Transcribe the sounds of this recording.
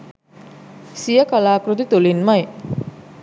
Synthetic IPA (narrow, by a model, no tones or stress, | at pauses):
sijəkalaːkɾut̪it̪ulinmaj